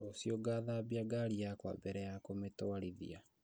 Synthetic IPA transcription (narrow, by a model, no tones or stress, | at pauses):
osjoɡaːðabiaɡaɾijakwa̰bɛɾɛjakometoaɾiðḭa